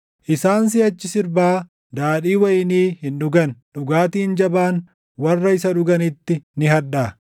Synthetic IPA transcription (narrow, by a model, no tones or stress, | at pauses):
ʔɪsaːns̬ɪɐt͡ʃːɪsɪɾbaː | d̪aːᶑiːwɐjɪniːhɪnɗʊɡɐnᶑʊɡaːt̪iːnd͡ʒɐbaːn | wɐrːɐɪsɐᶑʊɡɐnɪt̪ːɪnɪɦɐᶑaː